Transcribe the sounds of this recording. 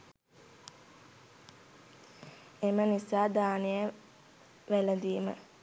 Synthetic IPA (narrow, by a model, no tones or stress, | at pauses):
emənisaːd̪aːnijə | ʋæləd̪iːmə̰